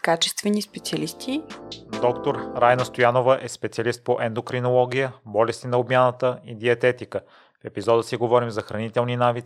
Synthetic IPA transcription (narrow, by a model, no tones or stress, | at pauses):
kat͡ʃɛst̪vɛnispɛt̪siɐlist̪id̪ɔkt̪oɾɾajnəst̪ojanovəʔɛspɛt̪siɐlist̪̚poʔɛnd̪okɾinolˠɔɡʲijəbɔlɛst̪inɐobmʲjanət̪əid̪iɐt̪ɛt̪ikə | fɛpizɔd̪əsiɡovɔɾimzɐxɾɐnit̪ɛlˠninavit̪